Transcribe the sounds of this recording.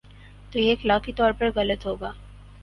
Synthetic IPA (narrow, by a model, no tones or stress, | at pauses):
t̪ojeːklaːkit̪ɔːɾpɐɾɣɐlət̪ɦoːɡaː